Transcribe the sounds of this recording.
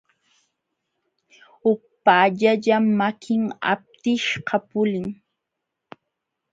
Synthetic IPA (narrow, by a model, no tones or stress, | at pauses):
hʊk̚paːʎaʎamːakʰɪŋa̰p̚t̪ɪʃqɑpʊlɪŋ